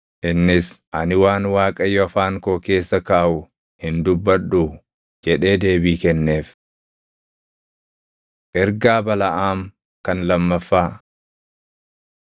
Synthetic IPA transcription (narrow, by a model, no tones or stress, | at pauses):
ʔɪnːɪsʔɐnɪwaːnwaːkʼɐjɔɐfaːŋkoːke̞ːsːɐkaːʔʊ | hɪnd̪ʊbːɐɗuː | d͡ʒɛᶑe̞ːd̪e̞ːbiːkɛnːe̞ːf | ʔɛɾɡaːbɐlɐʔaːm | kɐnlɐmːɐfːaː